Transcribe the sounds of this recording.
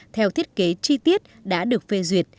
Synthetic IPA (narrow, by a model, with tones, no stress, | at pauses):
t̪ʰɛ˧wt̪ʰi˦˥ət̚ke˨˦t͡ɕi˧t̪i˦˥ət̚ɗa̰ː˧˥ɗɨ˨˩ək̚fe˧zwi˨˩ət̚